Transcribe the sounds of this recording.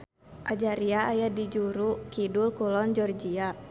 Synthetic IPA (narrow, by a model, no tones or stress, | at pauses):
ʔad͡ʒaɾiaːjadid͡ʒuɾukidulkulɔnd͡ʒɔrd͡ʒia